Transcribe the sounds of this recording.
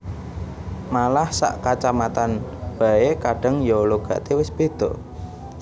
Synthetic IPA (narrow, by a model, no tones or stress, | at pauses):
malahsa̰ʔkat͡ʃamat̪anb̥a̤ekaɖ̥ə̤ŋjoloɡ̥a̤̰ʔt̪ewɪsb̥e̤d̪̥ɔʔ